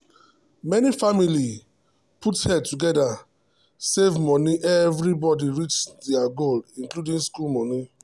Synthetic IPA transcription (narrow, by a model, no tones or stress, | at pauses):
mɛnifamili | pʰuthɛd̚tuɡɛda | sevmɔ̃niʔɛvɾibɔdiɹit͡ʃdɛaɡolĩŋkludĩŋskulmɔni